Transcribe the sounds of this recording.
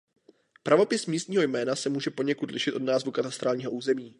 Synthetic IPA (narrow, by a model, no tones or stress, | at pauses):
pɾavo̞pɪsmiːst̪ɲiːɦo̞jmɛːnasɛmuːʒɛpoɲɛkut̪lɪʃɪt̪ʔo̞dnaːzvukat̪ast̪ɾaːlɲiːɦo̞ʔuːzɛmiː